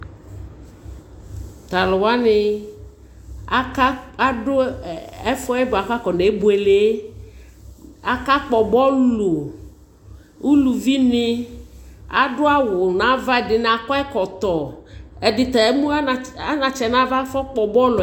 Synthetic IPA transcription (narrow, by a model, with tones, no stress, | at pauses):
t̪a˨lʊ˨wa˦nɪ˨ | a˦a˦a˦ɖʊ˦ɛ˦fɔ˦ɛ˦bʊ˨a˨ka˦kɔ˨ne˨˦bo˨˦e˨le˨˦ | a˨ka˦k͡pɔ˨bɔ˦lo˨ | u˦lu˨vi˦nɪ˦ | a˨ɖʊ˦a˦wʊ˨nã˦va˦ɛ˨dɪ˨n˨a˨kɔ˦ɛ˦kɔ˨t̪ɔ˨ɛ˨dɪ˨t̪ɛ˨e˦mũ˦a˦˨a˦nã˨t͡ʃɛ˨nã˨˦va˦fɔ˦k͡pɔ˨bɔ˦l